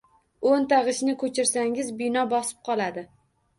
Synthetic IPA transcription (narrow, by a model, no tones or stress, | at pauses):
ont̪ʰaʁɨʃnɪkʰɵt͡ʃʰɪɾsaŋʲɪzbɪnɒbɒsɪ̥p̚qʰɒlˠad̪ɪ